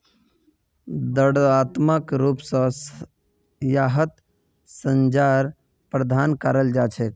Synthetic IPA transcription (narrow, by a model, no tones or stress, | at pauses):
d̪əɽat̪məkɾuːpsə̃ | jaɦət̪ | səɲd͡ʒaɾ | pɾəd̪ʱaːnkaɾəld͡ʒat͡ʃʰek